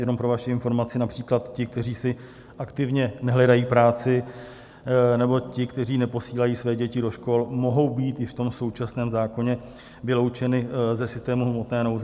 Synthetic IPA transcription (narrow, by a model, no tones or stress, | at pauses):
jɛno̞mpɾo̞vaʃɪɪnfo̞ɾmat͡sɪnapr̥iːklat̪cɪk̚t̪ɛriːsɪ | ʔakt̪ɪvɲɛnɛɦlɛdajiːpɾaːt͡sɪ | nɛbo̞cɪkt̪ɛriːnɛpo̞siːlajiːsvɛːɟɛcɪdo̞ʃko̞lmo̞ɦo̞wbiːt̪jɪft̪o̞mso̞wt͡ʃasnɛːmzaːko̞ɲɛ | vɪlo̞wt͡ʃɛnɪzɛsɪst̪ɛːmuɦmot̪nɛːno̞wzɛ